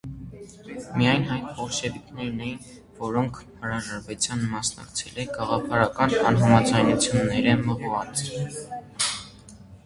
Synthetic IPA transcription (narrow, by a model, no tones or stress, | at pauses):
mijɑjnɑjnpɔɾʃɛvik̪ʰnɛɾnɛjin | vɔɾɔŋkʰhəɾɑʒɑɾvɛt͡sjɑnmɑsnɑ̰kt͡sʰɛlɛɡ̥ɑʁɑpʰɑɾɑkɑnɑnɦɑmɑd͡zɑjnut͡sʰjunːɛɾɛməʁvɑt͡s